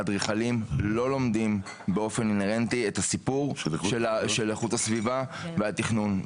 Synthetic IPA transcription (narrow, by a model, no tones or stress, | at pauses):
adʁiχalimlo̞lomdim | beo̞fe̞nineʁentiethasipuʁʃʃeleχuthasvivaveatiχnun